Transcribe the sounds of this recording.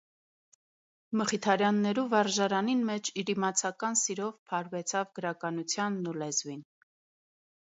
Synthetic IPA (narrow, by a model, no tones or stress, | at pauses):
məχit̪ʰɑɾjɑnːɛɾuvɑɾʒɑɾɑninmɛt͡ʃʰiɾimɑt͡sʰɑkɑnsiɾɔvpʰɑɾvɛt͡sʰɑvɡəɾɑkɑnut͡sʰjɑnːulɛzvin